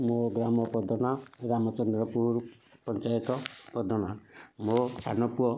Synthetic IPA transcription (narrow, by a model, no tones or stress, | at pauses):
moɡɾamɔpɔd̪ɔnaɾamɔt͡ʃɔnd̪ɾɔpuɾ | pɔnt͡ʃajɔt̪ɔpɔd̪ɔnamot͡ʃʰa̰nɔpuɔ